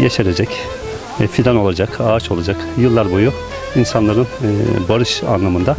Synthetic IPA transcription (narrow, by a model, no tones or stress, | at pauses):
jaʃeɾed͡ʒɛc | ɛfid̪ano̞lˠad͡ʒakʰaːt͡ʃʰo̞lˠad͡ʒakjɯlˠːaɾbuju | insanlˠaɾɯnbaɾɯʃa̰nlˠamɯnd̪a